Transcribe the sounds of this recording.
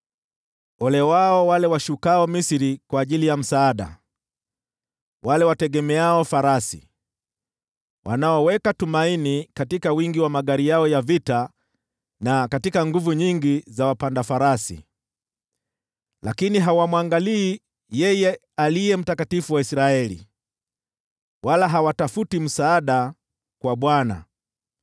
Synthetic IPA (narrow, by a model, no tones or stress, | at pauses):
ɔlɛwaɔwalɛwaʃukaɔmisiɾikwaːʄilijam̩saːɗa̰ | wʔalɛwatɛɠɛmɛaɔfaɾasḭ | wʔa̰naɔwɛkatumainikatikawiŋɡiwamaɠaɾijaɔjavita | nakatikaŋɡuvuɲiŋɡizawapandafaɾasḭ | lakiniɦawamwaŋɡaliː | jɛjɛ | alijɛm̩takatifuwaisɾaɛlḭ | walaɦawatafutim̩saːɗa | kwaɓwana̰